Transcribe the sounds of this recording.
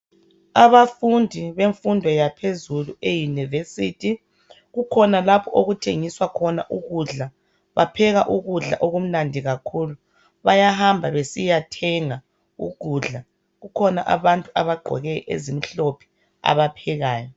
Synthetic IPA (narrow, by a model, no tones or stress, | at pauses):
aβafundʱiβeɱfundʱɔjapʰezuluejunivesitʰi | ɣukʰɔnalapʰɔʔoɣutʰeŋiswakʰɔnaʔuɣuɮa | βapʰɛɣaʔuɣuɮa̰ʔoɣum̩nandʱiɣakʰuːlu | βajaɦambʱaβesijatʰɛŋa | ṵɣ̥ʱuɮa | ɣukʰɔnaʔa̰βantʼuaβaɡ͡ǃʱɔ̰ɣɛʔḛzimiɬopʰi̥ | a̰βapʰɛɣaːjɔ